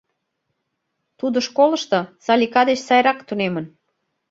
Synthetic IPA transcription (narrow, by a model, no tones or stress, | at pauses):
t̪ud̪ŏʃkolə̆ʃt̪ɤ̆sɑlʲikɑd̪et͡ɕsɑjɾɑkt̪unemə̆n